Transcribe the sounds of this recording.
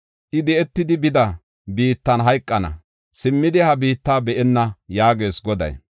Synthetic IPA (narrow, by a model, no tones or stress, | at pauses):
ʔɪd̪ɛɛt̪ːɪd̪ɪbɪd̪ɐ | biːt̪ːɐnɦɐjkʼːɐnɐ̰ | sɪmːɪd̪ɪhɐbiːt̪ːaːbɛʔɛnːɐjaːɡe̞ːsɡɔd̪ɐ̰j